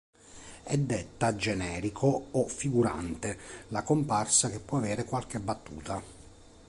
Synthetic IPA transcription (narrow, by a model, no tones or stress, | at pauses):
ɛd̪ːet̪ːad͡ʒɛnɛːɾikʰoːfːiɡuɾa̰nt̪elakomparsak̟epːwɔavɛːɾekwalk̟ebːat̪ːṵːt̪a